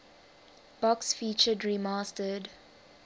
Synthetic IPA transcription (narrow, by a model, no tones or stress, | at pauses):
b̥ɔksfiːt͡ʃədɹimaːstəd